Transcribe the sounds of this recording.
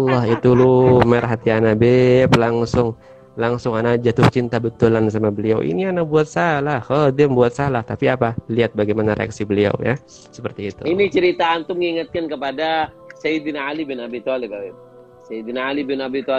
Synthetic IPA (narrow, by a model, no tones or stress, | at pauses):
lːɔɦit̪ulʊmaɾɦat̪ianabeplaŋsʊŋ | laŋsʊŋanad͡ʒat̪ʊht͡ʃint̪abət̪ulansamabəlia̰wʔḭnianakbuat̪̚salahhədɪmbuat̪̚salaht̪apiapaliat̪̚baɡajmanaɾḛa̰ksibəlia̰wja̰ | səpərt̪iːt̪ṵinit͡ʃəɾit̪aːnt̪ʊŋiŋat̪̚kankəpada | saibinalibɪnabit̪ɔlɪk̚abɪp̚ | seibinaalibɪnabit̪ɔ